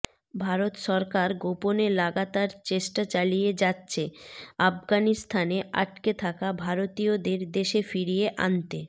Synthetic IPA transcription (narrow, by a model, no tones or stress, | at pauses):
bʱaɾot̪ʃɔɾkaɾɡoponelaɡat̪aɾt͡ɕeʃʈat͡ɕalijed͡ʑatːɕʰeafɡanist̪ʰaneʔa̰ʈ̚ket̪ʰakabʱaɾot̪ijod̪eɾd̪eʃefiɾijeʔa̰nt̪e